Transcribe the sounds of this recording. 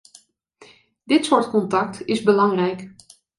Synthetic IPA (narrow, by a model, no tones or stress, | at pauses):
dɪtsoɹtkɔntɑk̚tʰɪzbəlɑŋrɛjk